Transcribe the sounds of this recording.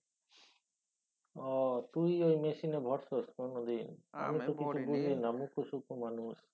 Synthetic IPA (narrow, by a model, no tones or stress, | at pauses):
ɔt̪ujojmesinebʱɔɾsoskonod̪ina̰mit̪ukit͡ʃʰubulinamukʰusukʰumanus